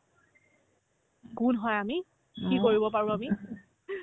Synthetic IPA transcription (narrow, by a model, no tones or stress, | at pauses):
kunɦɔjami | kikoɹibɔpaɹũami